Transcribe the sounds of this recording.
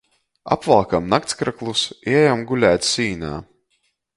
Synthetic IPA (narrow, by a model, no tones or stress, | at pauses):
a̰pvalˠkamnak̚t̪skɾaklˠusiɛjamɡulʲæːt̪ssiːna̰ː